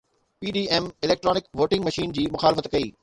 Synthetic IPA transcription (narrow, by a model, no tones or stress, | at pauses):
piːɖiːɛmɪlɛːk̚ʈɾɔːnɪkʋoːʈɪ̃ŋɡmɐʃiːnd͡ʑiːmʊxaːlɪfət̪kɐḭː